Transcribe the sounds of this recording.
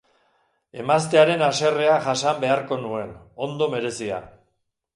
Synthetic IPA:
e̞mast̪e̞aɾe̞nase̞re̞aʝasambe̞aɾko̞nue̞no̞nd̪o̞me̞ɾe̞sia̰

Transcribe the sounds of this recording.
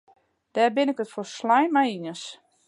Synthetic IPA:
d̥ɛːrbɪnɪkətforslɛjnmajinəs

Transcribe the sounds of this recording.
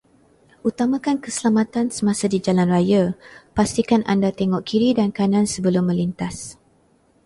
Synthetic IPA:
ʔut̪amãkankəsəlamãt̪ansəmãsadid͡ʒalanrajapast̪ikanʔa̰ndat̪eŋɔʔkʰiɾidankanãnsəbəlʊmːə̃lint̪as

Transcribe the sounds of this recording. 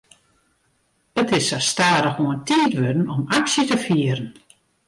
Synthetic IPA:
ətɪsastaːdəxuəntiːtʋødənɔmaksjətəfiəɾən

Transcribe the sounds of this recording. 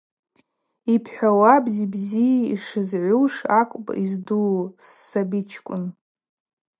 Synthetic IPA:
ipʰħʷᶣawabzibzijaḭʂɨzʕʷuʂakʷʼpʼizduwsːabit͡ʃʰkʷʼʊ̰n

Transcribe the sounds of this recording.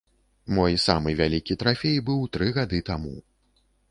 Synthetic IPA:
mɔjsamɨvʲalʲikʲit̪ɾafʲejbɨwt̪ɾɨɣad̪ɨt̪amṵ

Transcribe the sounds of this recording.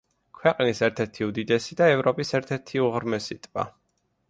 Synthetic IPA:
kʰwɛqʼnisɛɾt̪ʰɛɾt̪ʰiud̪id̪ɛsid̪aɛvɾɔpʼisɛɾt̪ʰɛɾt̪ʰiuʁɾmɛsit̪ʼva̰

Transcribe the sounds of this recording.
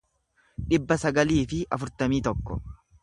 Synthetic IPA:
ᶑɪbːɐsɐɡɐliːfɪʔɐfʊɾt̪ɐmiːt̪ɔkːɔ̰

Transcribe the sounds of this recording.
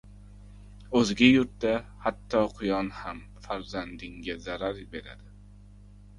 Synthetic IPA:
ɵzɡʲɪjʊɾt̪̚d̪ahat̪ʰːɒqʰʊjɒnham | faɾzand̪ɪŋɡʲazaɾaɾbe̞ɾa̰d̪ɪ

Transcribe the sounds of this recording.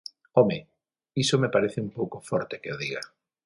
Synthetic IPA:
ɔme | isomepaɾeθeumpowkofɔɾt̪ekeoðiɣa

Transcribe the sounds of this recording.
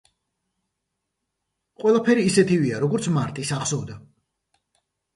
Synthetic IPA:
qʼwɛlˠapʰɛɾiːsɛt̪ʰiviaɾɔɡɔɾt̪sʰmaɾt̪ʼisaχsɔvd̪a

